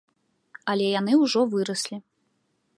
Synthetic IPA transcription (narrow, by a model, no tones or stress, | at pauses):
ɐlʲɛjan̪ɨwʐɔvɨɾɐsʲlʲi